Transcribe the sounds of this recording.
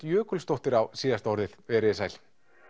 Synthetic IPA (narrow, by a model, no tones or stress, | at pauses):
t̪jœːkʏlst̪owht̪ɪɾawsiːðast̪ɔɾðɪðvɛɾɪsajl̥